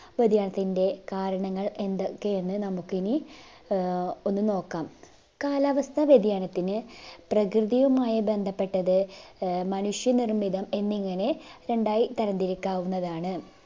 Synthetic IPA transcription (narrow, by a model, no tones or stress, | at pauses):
ʋɐd̪ʱjaːɳɐt̪ːinde̞kaːɾɐɳɐŋːɐɭe̞nd̪okːe̞enːɨnɐmukːini | o̞nːɨno̞ːkːaːm | kaːlaːʋɐst̪ʰɐʋed̪ʱjaːnɐt̪ːinɨprɐkrɨðijɐmaːjɐbe̞nd̪ʱɐpːe̞ʈːɐðɨmɐnuʂjɐnirmid̪ɐme̞nːiŋːɐne̞ɾe̞ɳɖaːjit̪ɐɾɐnd̪iɾikːaːwunːɐðaːɳɨ